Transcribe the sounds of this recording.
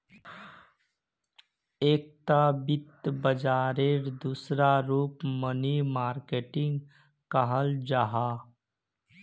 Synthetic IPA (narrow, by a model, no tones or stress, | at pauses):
eːk̚t̪abɪt̪bəd͡ʒaːɾeɾd̪uːsɾaɾuːpmənimaːɾkeːʈɪ̃ŋɡ | kəɦəld͡ʒaɦa